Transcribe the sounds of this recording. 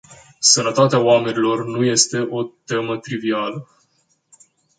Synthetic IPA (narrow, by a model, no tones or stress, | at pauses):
sənət̪at̪eaoame̞nilo̞rnuje̞st̪e̞ʔo̞t̪e̞mət̪ɾivialə